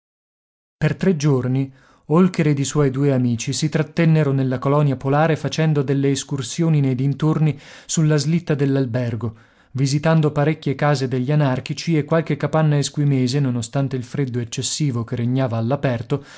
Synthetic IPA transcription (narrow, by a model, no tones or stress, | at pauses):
pert̪ɾed͡ʒorni | olkeɾed̪iswɔjd̪uːeamiːt͡ʃisit̪ɾat̪ːɛnːeɾonelːakolɔnjapolaːɾefat͡ʃɛnd̪od̪elːeːskursjoːninejd̪int̪orni | sulːazlit̪ːad̪elːalbɛrɡo | vizit̪and̪opaɾekʲːjekaːzed̪eʎːianark̟it͡ʃiekːwalkekːapanːaeskwimeːzenonost̪ant̪eilfɾed̪ːoet͡ʃːesːiːvokereɲːaːvaːlːapɛrt̪o